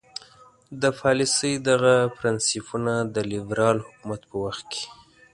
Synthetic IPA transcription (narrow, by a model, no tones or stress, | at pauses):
d̪əpʰɑlɪsəjd̪aɣapɾɪnsipunad̪əlɪbɾɑlhʊkumat̪pəwaxt̪̚kʰe̥